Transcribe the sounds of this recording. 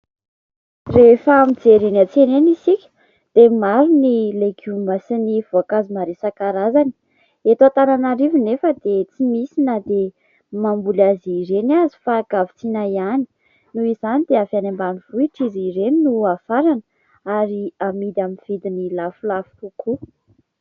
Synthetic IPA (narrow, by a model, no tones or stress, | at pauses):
refəamid͡zeɾenat͡senenisikʲə̥ | d̪̥emaɾunileɡuməsinivuakazimaɾesakaɾazani̥ | et̪at̪ananaɾivunefəd̪et͡simisinad̪e | mambulaziɾenazi̥faɡ̥avi̥t͡sinajani̥ | nuiz̥anid̪eafanembaniv̥uiʈ͡ʂiziɾeninuafaɾanə | aɾiamid̪aminv̥id̪inilafulafu̥kuku